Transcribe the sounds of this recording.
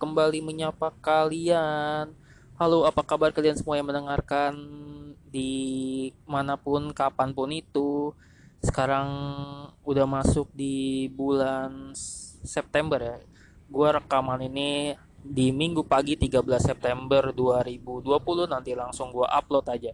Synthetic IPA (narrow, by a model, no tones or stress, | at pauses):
kəmbaliməɲapakalian | haloapakabarkaliansəmuajaŋmənəŋarkandi | manapʊnkapanpʊnit̪u | sə̥kaɾaŋ | udahmasʊk̚dibulan | sɛp̚t̪ɛmbərja | ɡuaɾəkamanini | dimiŋɡupaɡit̪iɡabəlasːɛp̚t̪ɛmbərduaɾibuduapulʊhnant̪ilaŋsʊŋɡuaʔaplɔt̪ad͡ʒa